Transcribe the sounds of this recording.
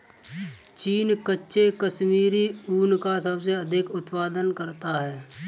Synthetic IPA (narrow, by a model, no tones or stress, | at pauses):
t͡ʃiːnkətːʃekəʃmiːɾiuːnkasəbseəd̪ʱɪkʊt̪paːd̪ənkəɾt̪aɦɛː